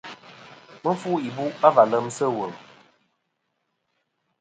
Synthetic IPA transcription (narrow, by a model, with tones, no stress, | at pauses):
mə˦fu˦i˨bu˦a˦va˨lə˦msə˦˨wə˨m